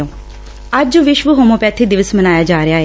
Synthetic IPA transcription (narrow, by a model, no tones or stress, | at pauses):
õː | əd͡ʒʋɪʃʋəɦoːmõːpɛːt̪ʰeːd̪ɪʋəsmənaːjaːd͡ʒaːɾejaːɦeː